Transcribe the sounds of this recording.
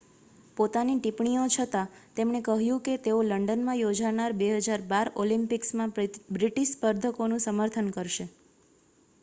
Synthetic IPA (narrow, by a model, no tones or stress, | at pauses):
pot̪aniʈipɳijot͡ʃʰət̪at̪emɳekəɦjũket̪eoləɳɖənmãjod͡ʒaɳaɾbeɦəd͡ʒaɾbaɾolimpɪksmãbɾiʈiʃspəɾd̪ʱəkonũsəməɾt̪ʰənkəɾʃe